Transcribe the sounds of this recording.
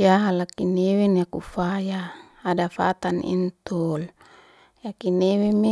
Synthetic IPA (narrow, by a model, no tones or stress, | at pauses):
jaɦalakinewenjakufajaː | dafa̰t̪anḭnt̪ol | jakineweme